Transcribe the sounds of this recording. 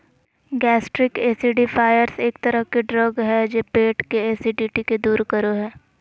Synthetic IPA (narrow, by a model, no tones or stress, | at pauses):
ɡɛːsʈɾɪkeːsiɖipʰaːjəɾseːk̚t̪ɐɾəɦkiɖɾɔːɡɦɛd͡ʒeːpeːʈkeeːsiɖiːʈiked̪uːɾkɐɾoɦɛː